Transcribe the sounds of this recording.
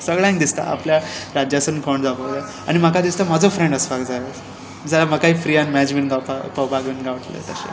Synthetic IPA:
səɡɭãŋd̪ist̪a̰a̰pljaɾad͡ʑjasənkoɳd͡zabəʋla | a̰ɽ̃im̤əkad̪ist̪amad͡zofɾẽɳɖəsfakd͡zaja | d͡zalaməkaɦiːfɾianmɛd͡ʑmeɳɡapapəwbʱaɡmiɳɡaʋəʈlə̰t̪əɕḛ

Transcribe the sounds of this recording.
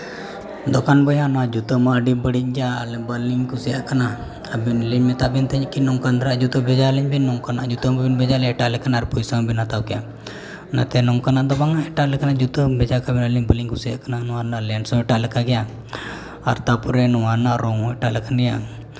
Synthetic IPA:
d̪ɔkanbəjanɔad͡ʒut̪əmaːɖibəɽic̚d͡ʒaːlɛbəliŋkusijaʔkana | abinliɲmɛt̪abint̪ɛɲkinɔŋkand̪ɾaʔd͡ʒut̪əbɛd͡ʒaliɲbinːɔŋkanaʔd͡ʒut̪əmabinbɛd͡ʒalɛɛʈalɛkanaːɾpujsaŋbinat̪awkja | na̰t̪ɛnɔŋkanaʔd̪ɔbaŋaɛʈaʔlɛkanad͡ʒut̪əbɛd͡ʒakabinəliŋbəliŋkusijaʔkananɔaɾnalɛɳsɔɛʈaʔlɛkaɡɛja | a̰ɾt̪apuɾɛnɔwanaɾɔŋɔɛʈalɛkanɾɛja

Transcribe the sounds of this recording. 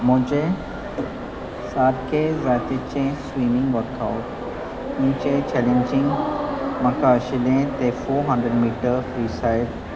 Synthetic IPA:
mʊ̃ɦɪ̃d͡ʑe | saːɾkʰezaːt̪it͡ɕẽswiːmɪ̃ŋɡʋəɾt̪ʰaːʊʈ | ĩːt͡ɕẽt͡ɕɛːlẽɲd͡ʑɪ̃ŋɡmɐ̃kaːʃɪlẽt̪efoːɾɦɐ̃ɳɖɾəɖmiːʈəɾɾiːsaːɪɖ

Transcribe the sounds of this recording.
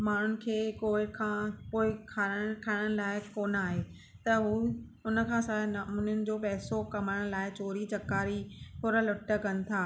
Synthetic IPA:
maːn̤ʊnɪ̆kʰeːkoːɪkʰãːpoːɪkʰaːkʰaːɪɽ̃ə̃ɽ̃laːɪkoːnaːɦeː | t̪ɐɦuː | ʊnəkʰãːsɐɽnɐmunəʊnɪ̆d͡ʑoːpɛɦsokɐmaːə̃ɽ̃laːɪt͡ɕoːɾit͡ɕɐkaːɾipʊɾəlʊʈːə̆kɐnɪ̆t̪ʰaː

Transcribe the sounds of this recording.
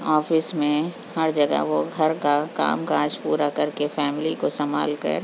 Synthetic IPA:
ɔːfɪsmẽ | hɐɾd͡ʒɐɡə̰ʋoɡʱɐɾkaka̰ːmkaːd͡ʒpuːɾakɐɾkefɛːmɪlikosɐma̰ːlkɐ̰ɾ

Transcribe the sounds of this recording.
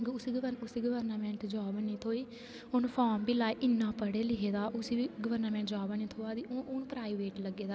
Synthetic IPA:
ɡʊsiːɡəʋəʊsiːɡəʋəɾnaːmɛ̃ːɳʈd͡ʒaːʋəniːt̪ʰoːiː | ʊnpʰaːmbiːlaːiʔɪnːãːpəɽeːlɪɦeːd̪aːʔʊsiːbiːɡəʋəɾnaːmɛ̃ːɳʈd͡ʒaːʋənĩːt̪ʰoːaːd̪iːoʊnpɾaːiʋeːʈləɡeːd̪aː

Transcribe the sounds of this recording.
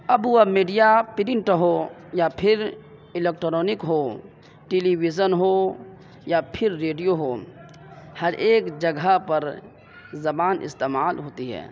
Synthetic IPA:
ɐbuamiːɖijapɪɾɪɳʈɦojapʰɪɾ | ɪleːk̚ʈɾɔːnɪkɦo | ʈeliwid͡ʒənɦo | japʰɪɾːeːɖijoɦoː | hɐɾʔeːkd͡ʒəɡʱəpəɾ | zɐbaːnʔɪ̰st̪eːmaːlɦoːt̪iɦɛ̰ː

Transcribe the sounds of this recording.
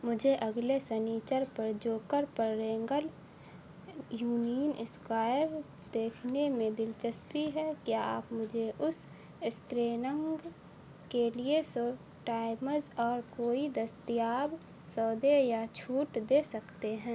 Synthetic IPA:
mʊd͡ʒʱeʔɐɡlesɛniːt͡ʃəɾpəɾd͡ʒoːkəɾpəɾːẽːŋɡəl | juːniːənɪskaːɪɾ | d̪eːkʰnemẽd̪ɪlt͡ʃəspiɦɛkjaa̰ːpmʊd͡ʒʱeʔʊs | ɪskɾeːnə̃ŋɡ | kelieso | ʈaːɪməɾzɔːɾkoːid̪əst̪ijaːb | sɔːd̪ejat͡ʃʰuːʈd̪eːsɐkt̪eɦɛ̃ː

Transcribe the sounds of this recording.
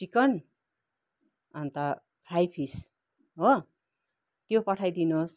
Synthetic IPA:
t͡ʃikʌn | ʌnt̪a | kʰɾajpʰis | ɦo | t̪jopʌʈʰajd̪inos

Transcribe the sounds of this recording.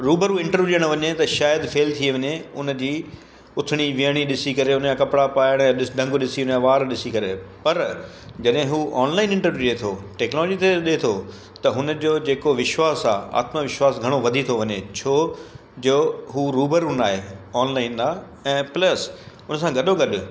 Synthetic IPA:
ɾuːbəɾuɪ̃ɳʈəɾʋjuɗijəɽ̃ʋɐɲet̪ɐʃaːjəd̪feːlt̪ʰieʋɐɲeʊnd͡ʑiː | ʊt̪ʰɪɽ̃iʋiəɽ̃iɗɪsikɐɾeʊnjãkɐpɽapaːjəɽ̃jaɗɪsɖʱɐ̃ŋɡɗɪsiʊnjãʋaːɾɗɪsikɐɾepɐɾ | d͡ʑɐɗɦɪ̃ɦuʔɔːnlaːɪnɪ̃ɳʈəɾʋjuɗet̪ʰoʈɛːknɔːlɔːd͡ʑit̪ʰeɗet̪ʰo | t̪ɐɦʊnəd͡ʑoːd͡ʑeːkoʋɪʃwaːsa̰ːa̰ːt̪məʋɪʃwaːsɡʱɐɽ̃oʋɐd̪ʱit̪ʰoʋɐɲet͡ɕʰoː | d͡ʑoːɦuːɾuːbəɾʊnaːɦeɔːnlaːɪnaː | ɛ̃ːplɐs | ʊnəsãɡɐɗoɡɐɗʊ

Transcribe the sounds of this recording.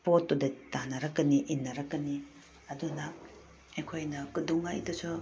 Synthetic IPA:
potːudetanaɾɐkːɐniʔinːɐɾɐkːɐni | ɐduna | ekʰojnɐkɯduŋaḭtɔsɔ

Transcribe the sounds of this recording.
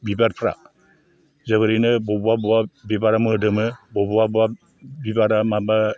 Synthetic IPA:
bibaɾpʰɾa̰ | zəβɯɾinɯbɔbuabuabibaɾamɯdɯmɯbɔbuabua | bibaɾamaba

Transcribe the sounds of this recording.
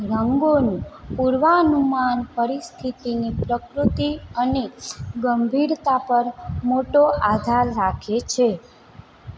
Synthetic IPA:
ɾəŋɡonũpuɾʋanumanpəɾist̪ʰit̪inipɾəkɾut̪iəneɡəmbʱiɾt̪apəɾmoʈoʔad̪ʱaɾːakʰet͡ʃʰe

